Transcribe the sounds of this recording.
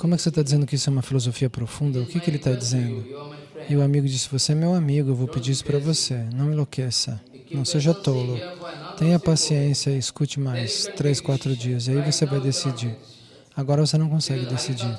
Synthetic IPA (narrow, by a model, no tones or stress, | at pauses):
kõmʊɛkɪ̥set̪ad͡ʒizẽnd̪ʊkɪisʊɛumɐfilozofiɐpɾofũnd̪ɐʊkɪkɪelɪt̪ad͡ʒizẽnd̪ʊɪʊamiɡʊd͡ʒisɪ̥voseɛmewamiɡʊewvowpɪd͡ʒiɾisʊ̥pɾɐvosenɐ̃w̃ɪ̃lokesɐ | nɐ̃w̃seʒɐt̪olʊt̪ẽj̃ɐpasiẽsjɐɪiskut͡ʃɪmajst̪ɾeskwat̪ɾʊd͡ʒiɐziaivosevajd̪esid͡ʒiɾ | aɡɔɾɐvosenɐ̃w̃kõsɛɡɪd̪esid͡ʒiɾ